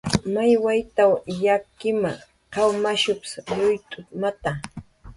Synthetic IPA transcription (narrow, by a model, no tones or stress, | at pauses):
majwajt̪awjakɪma̰ | kɑwmaʃʊpɪ̥sɾʊjt̪ʼʊmat̪a